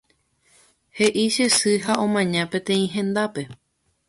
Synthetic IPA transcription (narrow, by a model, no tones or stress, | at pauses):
he̞ʔiʃe̞sɨɦaõ̞mãɲãpẽ̞t̪ẽ̞ĩɦẽ̞nd̪ape̞